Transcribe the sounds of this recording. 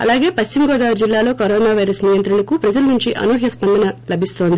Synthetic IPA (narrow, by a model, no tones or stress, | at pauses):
ɐ̰laːɡe̞ːpɐʃt͡ʃimɡɔːd̪aːʋɐɾd͡ʒilːaːlo̞ːkɐɾoːnaːʋɐjɾɐsniːjɐnt̪ɾunɐkupɾɐd͡ʒɐlɐnuɲt͡ʃiʔɐ̰noːɦjɐspɐnd̪ɐnɐlɐbʱist̪o̞ːnd̪i